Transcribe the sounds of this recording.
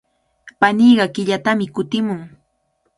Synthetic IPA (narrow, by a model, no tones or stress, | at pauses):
paniːɢɑkɪʎat̪amɪkʊt̪ɪmʊŋ